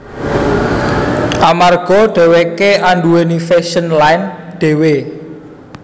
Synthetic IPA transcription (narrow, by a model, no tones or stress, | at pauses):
ʔamarɡ̥ɔ̤ɖ̥e̤wekeaɳɖuwenifeʃənlajnɖ̪̥e̤we